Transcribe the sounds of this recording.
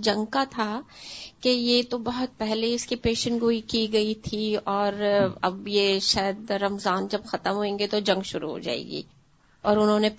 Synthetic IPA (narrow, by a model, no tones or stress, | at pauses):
d͡ʒɐ̃ŋɡkat̪ʰakejet̪obɐɦʊt̪̚pɛɦleɪskipeːʃəɳʈɡoːikiɡɐit̪ʰiɔːɾɐbjeʃaːjəd̪ɾɐmzaːnd͡ʒɐbxɐt̪əmɦoẽːŋɡet̪od͡ʒɐ̃ŋɡʃʊɾṵɦo̰d͡ʒa̰ːḛːɡḭː | ɔːɾʊnɦõːne